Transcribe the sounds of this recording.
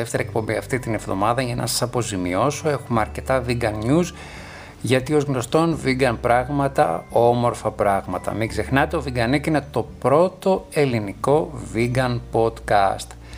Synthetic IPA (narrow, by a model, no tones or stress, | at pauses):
eft̪e̞ɾɐek̚po̞mbiɐft̪it̪ine̞vðo̞̰mɐðɐʝɐnɐ̰sɐ̥sɐpo̞zimio̞so̞e̞xumeɐɾce̞t̪ɐviɡɐnɲuz | ʝɐt̪io̞zɣno̞st̪o̞nviɡɐnpɾɐɣmɐt̪ɐ̰o̞mo̞ɾfɐpɾɐɣmɐt̪ɐ̰miɡze̞xnɐt̪eo̞viɡɐnikine̞t̪o̞pɾo̞t̪o̞e̞liniko̞viɡɐnpo̞d̪kɐst̪